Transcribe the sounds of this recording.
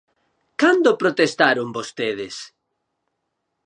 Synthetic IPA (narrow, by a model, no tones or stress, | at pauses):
kand̪opɾot̪est̪aɾʊŋbost̪eðɪs